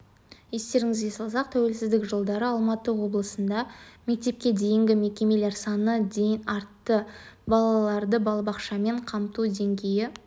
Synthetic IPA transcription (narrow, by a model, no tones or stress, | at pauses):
je̞st̪e̞ɾɪŋɪzɡʲe̞sɑlˠsɑq̚t̪ʰæwe̞lsɪzd̪ɪkʒəlˠd̪ɑɾəɑlˠmɑt̪əwo̞blˠəsənd̪ɑme̞k̚t̪e̞p̚kʲe̞d̪e̞jɪŋɡʲɪme̞kʲe̞me̞le̞ɾsɑnəd̪e̞jɪnɑɾt̪ːəbɑlˠɑlˠɑɾd̪əbɑlˠɑbɑqʃɑme̞ɴqʰɑmt̪ud̪e̞ŋɡʲe̞jɪ